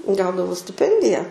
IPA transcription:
ˈɡɐʊdɐʋɐʊ sʲtʲɪˈpʲɛnʲdʲɪjɛ

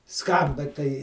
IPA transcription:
ˈskɐmbɐ tɐɪ

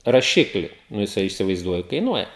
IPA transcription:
rɐˈʃʲɪklʲɪ nʊ jɪˈsɐɪ iːsʲɪʋɐɪzˈduɔjʊ kɐɪˈnuɔjɛ

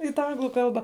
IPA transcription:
ɪ tɑː ˈɐŋɡlˠʊ ˈkɐlˠbɑː

